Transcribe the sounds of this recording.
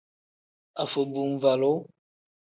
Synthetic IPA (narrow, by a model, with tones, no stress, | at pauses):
a˨fə˨bu˨m˨va˨lo˦